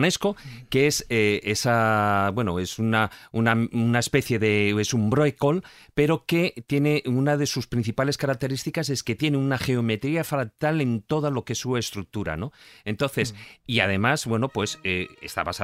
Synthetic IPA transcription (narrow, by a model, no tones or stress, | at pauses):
ne̞sko̞keeseesabwe̞noe̞sunaunaunaespe̞θje̞ðe̞esumbɾoeko̞lpe̞ɾo̞ke̞t̪je̞ne̞ʔunaðe̞suspɾin̟θipale̞skaɾak̚t̪e̞ɾist̪ikase̞ske̞t̪je̞neunaχe̞o̞me̞t̪ɾiafɾat̪ale̞nt̪o̞ð̞alo̞keesːue̞st̪ɾuk̚t̪uɾa̰no̞e̞nt̪o̞nθe̞siað̞e̞mazβwe̞no̞pwe̞seḛst̪a̰βasa